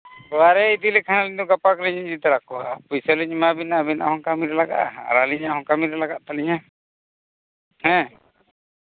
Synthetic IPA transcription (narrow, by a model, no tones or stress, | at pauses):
bɔaɾɛid̪ilɛkʰanalɛɲd̪uɡapakliɲɲd͡ʒit̪aɾakɔapujsəliɲmabinabinaʔa̰hɔŋkamiɾɛlaɡa̰ʔa̰ɾaliɲaɦɔŋkamiɾɛlaɡaʔt̪aliɲa | hɛ̃